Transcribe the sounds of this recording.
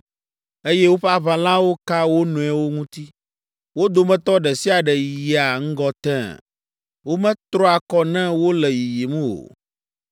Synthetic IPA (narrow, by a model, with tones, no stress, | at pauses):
e˦jɛ˦wo˦ɸa˦βã˨lã˦wo˦ka˦wo˦nũ˨ɛ˨wo˦ŋũ˦t̪i˦ | wo˦d̪o˨mɛ̃˦t̪ɔ˦ɖɛ˨si˦a˨ɖɛ˨ji˨ji˨a˨ŋ̩˦ɡɔ˦t̪ɛ̰̃˦ | wo˦mɛ̃˦t̪ɾɔ˦a˨kɔ˦nɛ̃˦wo˦lɛ˨ji˨ji˨mũ˦wo̰˨